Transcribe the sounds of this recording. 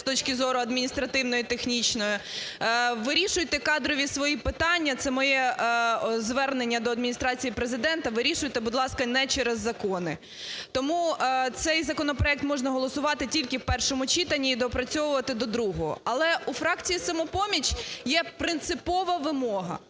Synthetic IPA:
st̪ɔt͡ʃkʲɪzɔɾʊɐd̪mʲinʲist̪ɾɐt̪ɪwnɔjit̪exnʲit͡ʃnɔjʊ | ʋɪɾʲiʃʊjt̪ɛkɑd̪ɾɔʋʲisʋɔjipɪt̪ɑnʲːɐt̪sɛmɔjɛ | zʋɛrnenʲːɐd̪ɔɐd̪̚mʲinʲist̪ɾɑt͡sʲijipɾezɪd̪ɛnt̪ɐʋɪɾʲiʃʊjt̪ɛbʊd̪lˠɑskɐnɛt͡ʃɛɾezːɐkɔnɪ | t̪ɔmut̪sɛjzɐkɔnɔpɾɔɛk̚t̪mɔʒnɐɦɔlˠɔsʊʋɑt̪ɪtʲilʲkɪwpɛrʃɔmʊt͡ʃit̪ɐnʲːiːd̪ɔpɾɐt͡sʲɔʋʊʋɐt̪ɪd̪ɔd̪ɾuɦɔɦɔ̰ɐlˠɛufɾɑk̚t͡sʲijisɐmɔpɔmʲit͡ʃjɛpɾɪnt̪sɪpɔʋɐʋɪmɔɦɐ̰

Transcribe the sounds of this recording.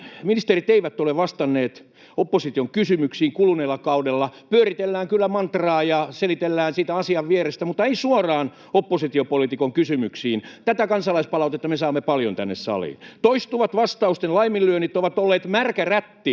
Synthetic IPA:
minist̪erit̪eiʋæt̪ːoleʋʋɑst̪ɑnːeːt̪ | opːosit̪ioŋkysymyksiːŋkuluneːlːɑkɑudelːɑpyørit̪elːæːŋkylːæmɑnt̪rɑːjɑselit̪elːæːnsiːt̪æɑsiɑʋʋieɾest̪æmut̪ːˑɑeisuorɑːn | opːosit̪iopolit̪ikoŋkysymyksiːnt̪æt̪ækɑnsɑlɑispɑlɑut̪et̪ːɑmesɑːmːepɑljont̪ænːḛssɑ̰lḭːnt̪oist̪uʋɑt̪ʋɑst̪ɑust̪enlɑimilːyønit̪ːoʋɑt̪olːeːt̪mærkæræt̪ːi

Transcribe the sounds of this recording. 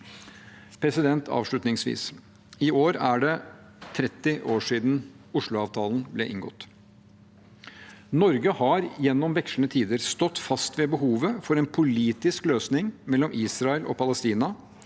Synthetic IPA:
pʰɾɛsɪd̪ɛnt̪ʰɑ̰ːʋʂɭʉt̪nɪŋsʋḭːs | ɪʔoːɾæɖɛ | t̪ʰɾɛt̪ːɪʔoːʂiːd̪n | ʊʂɭʊɑːʋt̪ʰɑːln̩blɛ̰ʔɪŋɡɔ̰t̪ː | nɔɾɡəhɑɾjɛnːɔmʋɛkʂɳət̪ʰiːd̪əɾst̪ɔt̪ːfɑst̪ʋɛbəɦuːʋəfɔɾɛːnpʰʊliːt̪ɪskløːsnɪŋmɛlːɔmʔiːsɾɑɛlʔɔ̰pʰɑlɛst̪iːnɑ

